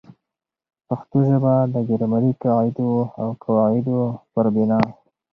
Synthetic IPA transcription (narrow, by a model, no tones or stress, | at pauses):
paxt̪uʒabad̪əɡaɾmaɾikawɪd̪oawkʰawɑɪd̪opəɾbɪnɑ